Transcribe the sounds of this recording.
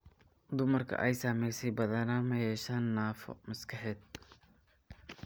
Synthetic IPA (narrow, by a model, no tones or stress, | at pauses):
d̪ʊmɐrkʰɐ̰ʔɛjsamɛjsɛjbɐðɐnamɐjɛːʃaːnːaːfɔ̰mɐskʰɐħɛːd̪̚